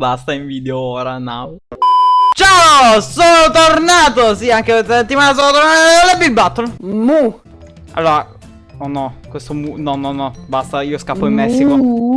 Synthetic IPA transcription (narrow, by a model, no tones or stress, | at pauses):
bast̪aiɱviːd̪eooːɾanaw | t͡ʃaosoːnot̪ornaːt̪osiaŋkeset̪ːimaːnas̬oːnot̪oɾnaɾeeolːebilbat̪ːolmu | ʔa̰lːoːɾa | onɔkwest̪omunɔnːɔnːɔbast̪aiːoskapːoimːɛsːiko